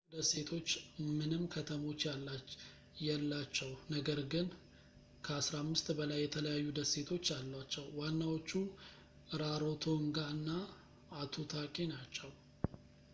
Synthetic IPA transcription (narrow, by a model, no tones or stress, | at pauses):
d̪əse̞t̪ʰo̞t͡ʃːmɨnɨmkʰət̪ʰəmo̞t͡ʃːjala | jɛlːat͡ʃːɛwnəɡəɾɡɨn | kʰəasɾamːɨst̪bəlajːɛt̪ʰələjajːud̪əsːe̞t̪ʰo̞t͡ʃːalːat͡ʃːɛwːanːawo̞t͡ʃːu | ɾaɾo̞t̪ʰoɨŋɡaɨnːaː | t̪ʰot̪ʰakʼenat͡ʃːɛw